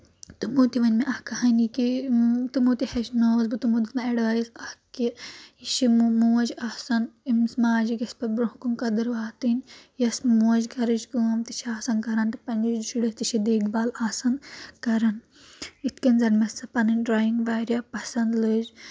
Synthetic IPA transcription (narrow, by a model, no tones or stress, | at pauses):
t̪ɨmut̪iʋɐnʲmeʔɐhkɐɦɐnikit̪ɨmuːt̪ihɐʃnoːzbɨt̪umud̪ɨt̪mɐɐɽʋajizɐhkiiʃimmuːɐd͡ʒahsɐnimsmaːd͡ʒiɡʲɐspɐbɾoɦkunkɐd̪ɨɾʋaːt̪injɐsmuːɐd͡ʒɡʱɐɾɨd͡ʒɡɨːmt̪iʃʰaːsɐnkɐɾɐnt̪ɐ̥pɐnʲd͡ʒid͡ʒd͡ʒiɽɨst̪iʃʰid̪eːkʰbaːlaːsɐnkɐɾɐn | it̪kɐnzɐɾmɐsɐpɐnɨnʲɖɾaːiŋɡʋaːɾʲjapɐsɐnd̪lɨd͡ʒ